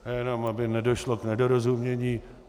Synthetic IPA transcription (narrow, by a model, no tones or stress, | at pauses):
jɛnomabɪnɛdo̞ʃloknɛdoɾozumɲɛɲiː